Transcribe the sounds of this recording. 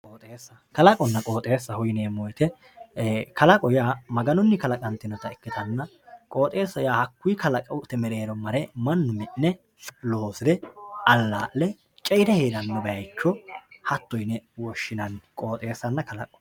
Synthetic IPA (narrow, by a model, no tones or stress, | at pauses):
kʼoːt̪ʼeːsːɐkɐlɐkʼɔnːɐkʼo̞ːt̪ʼe̞ːsːɐhʊjneːmɔjt̪ɛ | kɐlɐkʼɔjaːmɐɡɐnɔnːɪkɐlɐkʼɐnt̪ɪnɔt̪ɐɛkːɪt̪ɐnːɐ | kʼoːt̪ʼe̞ːsːɐjaːhɐkːʊjkɐlɐkʼɐwʊt̪ɛmɛɾeːɾɔmɐɾɛmɐnːʊmɪnːɛ | lo̞ːsɪd̪ɛɐlːaːʔːɛ | t͡ʃʼɛjɪd̪ɛheːd̪ɐnːɔbɐjɐjt͡ʃːɔhɐt̪ːɔjnɛwɔʃːɪnɐnkʼo̞ːt̪ʼe̞ːsːɐnːɐkɐlɐkʼɔ̥